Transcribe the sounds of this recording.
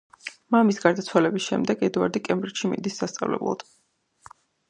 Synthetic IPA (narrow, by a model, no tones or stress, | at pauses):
mamisɡaɾd̪at̪sʰwalɛbisʃɛ̰md̪ɛɡɛd̪ua̰ɾd̪ikʼɛmbɾit͡ʃʃimḭnd̪isːast̪sʼa̰vlɛ̰blˠa̰d̪̥